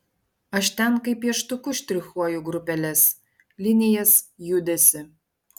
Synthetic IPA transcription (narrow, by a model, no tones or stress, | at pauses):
ɐʃt̪ʲænkɐjpjɛʃt̪ukuʃʲt̪ʲɾʲɪxɔjuɡrupʲælʲæs | lʲinʲɪjɛsjud̪ʲæsʲɪ